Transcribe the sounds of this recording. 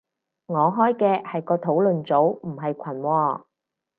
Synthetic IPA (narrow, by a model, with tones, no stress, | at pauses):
ŋɔː˨˧ɦɔː˥jkɛː˧hɐ˨jkɔː˧t̪ʰo˨˥wlɵ˨nt͡so˨˥wm̩˨˩ɦɐ˨jkʷʰɐ˨˩nwɔː˧